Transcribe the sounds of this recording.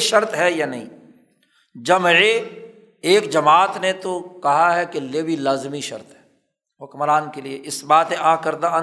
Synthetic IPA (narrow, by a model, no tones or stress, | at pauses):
ʃɐɾt̪ɦɛjaːnɐɦḭ̃ː | d͡ʒɐme | eːkd͡ʒɐmaːt̪net̪okɐɦaɦɛkeleːbʱilaːzmiʃɐ̰ɾt̪ɦɛ̥ː | ɦʊkmɾaːnkelieʔɪsbaːt̪ẽʔaːkɐɾd̪a